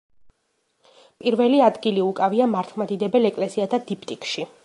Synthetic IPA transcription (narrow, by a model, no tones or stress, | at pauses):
pʼiɾvɛliad̪ɡiliukʼaviamaɾt̪ʰmad̪id̪ɛbɛlɛkʼlɛsiat̪ʰad̪ipʰt̪ʼikʼʃi